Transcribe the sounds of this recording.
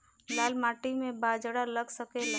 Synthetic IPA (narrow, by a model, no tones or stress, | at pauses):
laːlmaːʈimẽbaːd͡ʒɽaləɡsəkel